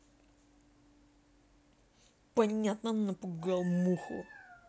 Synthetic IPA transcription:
pɐnʲat̪nənɐpʊɡalˠmuxʊ̰

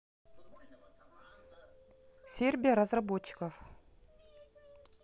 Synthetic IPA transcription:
sʲerʲbʲɪjəɾɐzrɐbot͡ɕːɪ̥kəf

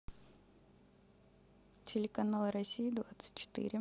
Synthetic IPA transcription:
tʲɪlʲɪkɐnalˠɨɾɐsʲijid̪vat̪sɨ̥t̚ʲt͡ɕːɪ̥t̪ɨ̰ɾʲɪ

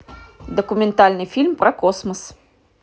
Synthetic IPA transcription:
d̪ɐkʊmʲɛnt̪alʲnɨfʲilʲmpɾɐkɔsmɐs

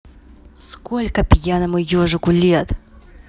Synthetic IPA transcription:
skolʲkəpʲjanəmʊjoʐɨkʊlʲet̪

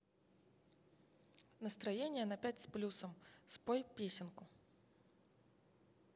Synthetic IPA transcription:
nəst̪ɾɐjenʲɪjənɐpʲætʲsplʲusəmspojpʲesʲɪnkʊ

